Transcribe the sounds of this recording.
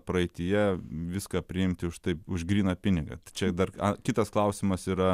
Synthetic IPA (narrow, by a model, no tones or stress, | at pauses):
pɾɐɛɪt̪ʲɪjɛʋʲɪskɐpʲɾʲɪɪmʲt̪ʲɪʊʃt̪ɐɪpʊʒɡɾʲiːnɐpʲɪnʲɪɡɐ̰t̪t͡ʃʲɛd̪ɐrɐkʲɪt̪ɐsklˠɐʊsʲɪmɐsiːɾɐ